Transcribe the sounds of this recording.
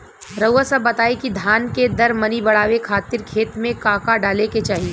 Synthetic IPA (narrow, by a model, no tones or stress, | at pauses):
ɾɐʊasɐbːɐt̪aːekid̪ʱaːnked̪ɐɾmɐnibɐɽ̤aːʋekʰaːt̪ɪɾkʰeːt̪mẽkaːkaɖaːleket͡ʃaːɦie